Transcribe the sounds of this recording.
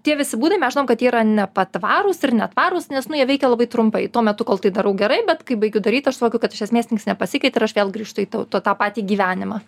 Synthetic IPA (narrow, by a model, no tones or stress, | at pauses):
tʲiɛʋʲɪsʲɪbuːd̪ɐɪmʲɛsʒɪnoɔmkɐt̪jiːɪɾɐnʲɛpɐt̪ʋɑːɾʊsɪrnʲɛt̪ʋɑːɾʊsnʲɛsnʊjiɛʋɛɪkʲɛlˠɐbɐɪt̪ɾʊmpɐɪt̪uɔmʲɛt̪ʊkoːlˠt̪ɐɪd̪ɐɾɐʊɡʲɛɾɐɪbʲɛt̪kɐɪbɐɪɡʲʊd̪ɐɾʲiːt̪ɐʃsʊoːkʲʊkɐt̪ɪʃʲiɛsmʲeːst̪ʲnʲɪŋksnʲɛpɐsʲɪkɐɪt̪ɪɾɐʃʋʲeːlˠɡɾrʲiːʃt̪ʊiːt̪ɐʊt̪oːt̪ɑːpɑːt̪ʲiːɡʲiːʋʲæːnʲɪmɑ